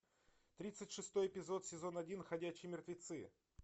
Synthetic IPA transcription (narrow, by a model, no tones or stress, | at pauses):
t̪ɾʲit̪sɨtʲʂɨst̪o̞jɪpʲɪzo̞t̪sʲɪzo̞nɐdʲinxɐdʲæt͡ɕːɪjmʲɪrt̪vʲɪt̪sɨ